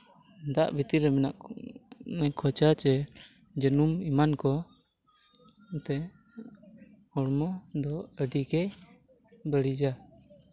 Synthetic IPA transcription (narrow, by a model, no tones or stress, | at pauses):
d̪aʔbʱit̪iɾɛmɛnaʔ | mɛkʰɔt͡ʃat͡ʃɛ | d͡ʒənumimankɔ | t̪ɛ | ɔɽmɔd̪ɔəɖikɛ | bəɽid͡ʒa